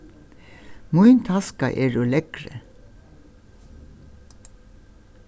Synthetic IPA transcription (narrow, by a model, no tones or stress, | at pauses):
mʊʏnt̪ʰɑskɑ̰ʔeːɹoːlɛkɾə